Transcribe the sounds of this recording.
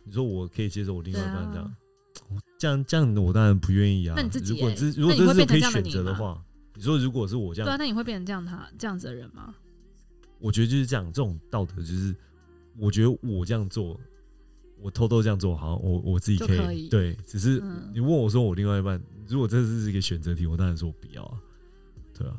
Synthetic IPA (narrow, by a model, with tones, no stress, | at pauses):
ni˨˩ʂwɔ˦˥wɔ˨˩kʰɤ˧˥i˨˩t͡ɕjɛ˦˥ʂo˥˩wɔ˨˩li˧ŋwa˥˧i˥pa˥˧˨ɑ̰˨ŋ | ɔ˨t͡ɕjɑ˥˨ŋt͡ɕə˥jɑ˥˨ŋ˨wɔ˨˩t̪a˥˩ɻa˧˦npu˧˦ɥɛ˥˧ni˥˩a˦a˥i˩˥ɻu˧˥wɔ˨˦ni˨t͡s̩˥˩˨ɻu˦˥kwɔ˨˧˥kʰə˧˥i˨ɕɥɛ˨˩nt͡sɤ˧˦d̪ə˧xwa̰˥˩ | ni˨˩ʂ̬wɔ˦˥ɻu˧˥k̬wɔ˨ʂ̬ɻ̩˥˩wɔ˨˩ʈ͡ʂə˦jɑ˥˧˦na˥˩i˨xwe˥˧pjɛ˥˩ə˧˥jɑ˥˨ŋt̪ʰa̰˦ʈ͡ʂə˧jɑ˥˩ŋd͡z̩˨˩d̪ə˨ɻə̰˧˦nma̰˨ | wɔ˨˩t͡ɕɥɛ˧˥ə˧t͡ɕo˥˧ʊʂɻ̩˥ʈ͡ʂjɑ˥˩ŋʈ͡ʂə˥˩ʈ͡ʂo˨˩ŋt̪ɑ˥˨˩ʊt̪ə˧˦jo˥˧ʊʂɻ̩˥˩ | wɔ˨˩t͡ɕɥɛ˧˥d̪ə˧wɔ˨˩ʈ͡ʂɤ˥˧jɑ˥˧ŋt͡swɔ˥˩ | wɔ˨˩t̪ʰo˥ʊt̪o˥˧ʊʈ͡ʂɤ˥jɑ˥˧ŋt͡swɔ˥˩˨ɑ̰˨˦wʔɔ˨˩wʔɔ˨˩t͡sɹ̩˥˩t͡ɕi˨˩kʰə˧˥i˨t̪we˥˩ɪʈ͡ʂɻ̩˨˩ʂ̬ɻ̩˥˩ni˨˩wə˥˩nwɔ˨˩s̬wɔ˦˥wɔ˨˩li˥˧ŋwa˥˧ɪi˧pa˥˩n˨ɻu˧˥kwɔ˨˩ʈ͡ʂɤ˥˧ʂɻ̩˥˩˥i˧˥ɡə˨ɕɥɛ˨˩nt͡sɤ˧˦t̪ʰi˨wɔ˨˩t̪ɑ˥ŋɻa˧˦nswɔ˥wɔ˨˩pi˨˩jɑ̰˥˩ʊ˨˩ | t̪ʰwḛ˥˩ɪla̰˨